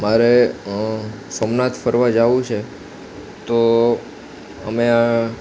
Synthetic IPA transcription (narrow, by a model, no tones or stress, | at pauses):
maɾe | sɔmnat̪ʰfəɾʋad͡ʒaʋũt͡ʃʰe | t̪o | ə̰mea